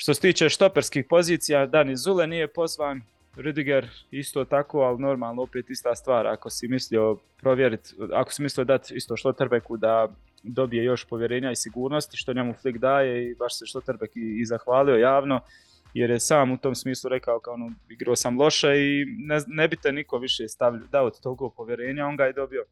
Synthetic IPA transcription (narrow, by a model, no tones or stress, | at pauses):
ʃt̪oset̪iːt͡ʃe̞ʃt̪o̞peɾskiːhpo̞ziːt̪sijad̪anizulenijepo̞zʋaːn | ɾud̪iɡeɾist̪o̞ːt̪ako̞ːalino̞ɾmaːlˠnoopeːt̪ist̪aːst̪ʋaːɾa̰ko̞simislio̞ | pɾo̞ʋje̞ɾit̪a̰ko̥simislijo̞d̪at̪ist̪o̞ʃlot̪ɾbekud̪a | d̪o̞bijejo̞ʃpo̞ʋje̞ɾe̞ːɲaisiɡuːɾno̞st̪iʃt̪oɲemuflˠikd̪aːje̞ibaʃseʃlˠot̪ɾbekiːzaxʋaːlio̞jaːʋno̞ | jeɾjesaːmut̪o̞ːmsmiːslˠuɾekaokaonoiɡɾoːsamlˠo̞ʃeinenebit̪eniko̞ʋiʃeːst̪aʋʎd̪aot̪t̪oɡoːpo̞ʋje̞ɾe̞ːɲao̞ŋɡaːjed̪o̞bijo̞